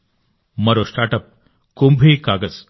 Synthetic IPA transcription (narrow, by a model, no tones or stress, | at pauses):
məɾosʈaʈəp̚ | kumbʱiːkaɡət͡s